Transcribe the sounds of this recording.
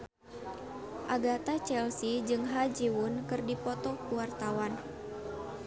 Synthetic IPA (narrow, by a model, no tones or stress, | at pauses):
ʔaɡat̪at͡ʃɛlsid͡ʒɨŋɦad͡ʒiwʊnkɨrdipɔt̪ɔkuwart̪awan